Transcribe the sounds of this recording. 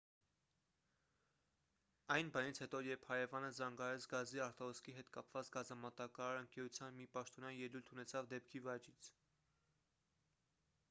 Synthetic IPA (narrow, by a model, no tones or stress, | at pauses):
ɑjnbɑnit͡sʰhɛt̪ɔjɛɾpʰhɑɾɛvɑnəzɑŋɡɑɾɛt͡sʰɡɑziɑɾt̪ʰɔɦɔskiɦɛt̪kɑpvɑt͡sɡɑzɑmɑt̪ɑkɑɾɑɾəŋkɛɾut͡sʰjɑnmipɑʃt̪ɔnjɑjɛlujlt̪ʰunɛt͡sʰɑvd̪ɛp̚kʰivɑt͡ʃit͡sʰ